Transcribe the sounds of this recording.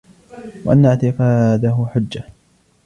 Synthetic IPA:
waʔanːaʕt̪ɪqɑːd̪aɦʊħʊd͡ʒːa

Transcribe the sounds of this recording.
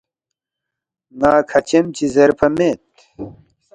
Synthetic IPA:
ŋaːkʰɐt͡ɕemt͡ɕizɐɾpɐmeːt̪̚

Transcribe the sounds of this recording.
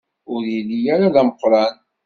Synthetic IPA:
ʊɾjilːijaɾaðæməqːɾˤɑn

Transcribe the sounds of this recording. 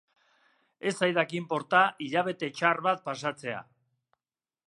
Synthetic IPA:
e̞sajðakimpo̞ɾt̪aʔiʎaβe̞t̪e̞t͡ʃarβat̪̚pasat͡se̞a̰

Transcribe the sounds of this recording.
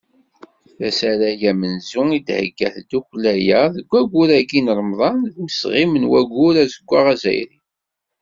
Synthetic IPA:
θæsæɾæjæmənzuid̪hə̰ɡːæ̰θd̪uklæjæðəɡʷːæɡʷuɾæɡinəɾˤmðˤɑnðməsʁimənwæɡuɾæzəɡʷːaʁæzæ̰jɾḭ

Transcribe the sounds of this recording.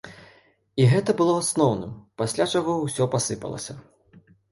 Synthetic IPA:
iɣɛt̪ɐbɨlˠɔasnɔwnɨ̰mpasʲlʲat͡ʂaɣɔwsʲɔpasɨpɐ̰lˠɐ̰sʲɐ

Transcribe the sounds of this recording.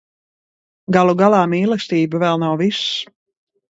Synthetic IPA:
ɡalˠuɡalˠaːmiːlˠɛsʲt̪iːbɨvɛlˠnawvis

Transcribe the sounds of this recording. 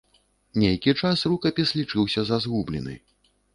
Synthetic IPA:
nʲejkʲit͡ʂasrukɐpʲislʲit͡ʂɨwsʲɐzɐzɣublʲḭnɨ̰

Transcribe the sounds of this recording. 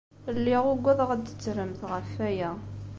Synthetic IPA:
lːiʁʊɡʷːæðˤʁæd̪ə̥t͡sːɾəmθʁəfæjæ

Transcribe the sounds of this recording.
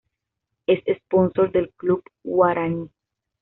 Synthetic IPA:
esesponsoɾd̪elklubwaɾani

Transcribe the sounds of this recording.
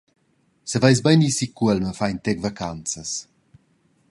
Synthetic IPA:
səvajsbajnisikːuɛlməfajnt̪ɛɡvakant͡sɐs

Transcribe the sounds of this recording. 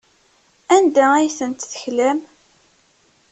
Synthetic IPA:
ænd̪ææjθənt̪θə̥çlæm

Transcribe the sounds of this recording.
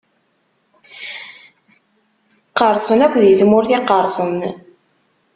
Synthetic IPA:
qəɾˤsˤənækʷːðjiθmʊɾθiqəɾˤsˤən

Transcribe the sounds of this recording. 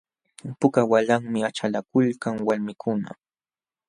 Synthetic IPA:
pʊkawalaŋmɪat͡ʃalakʊlkaŋwaɾmɪkʰʊna̰

